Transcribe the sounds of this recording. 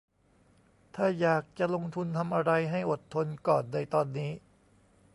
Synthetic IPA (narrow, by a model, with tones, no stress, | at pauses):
t̪ʰaː˥˩jaː˨˩k̚t͡ɕa˨˩lo˧ŋt̪ʰu˧nt̪ʰa˧mʔa˧ɾa˧jɦa˥˩jʔo˨˩t̪ʰːo˧nkɔː˨˩nːa˧jt̪ɔː˧nːiː˦˥